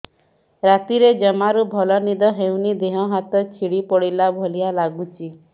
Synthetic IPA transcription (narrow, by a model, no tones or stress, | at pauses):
ɾat̪iɾed͡ʒɔmaɾubʱɔlɔnid̪ɔɦewnid̪eɦɔɦat̪ɔt͡ʃʰiɽipɔɽilabʱɔlialaɡut͡ʃʰi